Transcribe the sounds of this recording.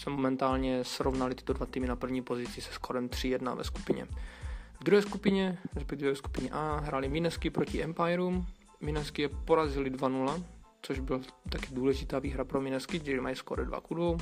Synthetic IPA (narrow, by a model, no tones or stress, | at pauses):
sɛmomɛnt̪aːlɲɛsɾovnalɪt̪ɪ̥t̪odvat̪iːmɪnapr̩vɲiːpo̞zɪt͡sɪsɛ̥skoɾɛmt̪r̝̥ɪjɛdna̰vɛ̰sku̥pɪɲɛ̰vd̪ɾuɦɛːskupɪɲɛɾɛspɛk̚t̪ivɛvɛsku̥pɪɲɛʔaːɦɾaːlɪmɪnɛskɪpɾocɪʔɛmpajɛɾum | mɪnɛskɪjɛpo̞ɾazɪlɪdvanulat͡soʒbɪlat̪akɛduːlɛʒɪt̪aːviːɦɾapɾomɪnɛskɪɛlimajisko̰ɾɛdva̰kudvow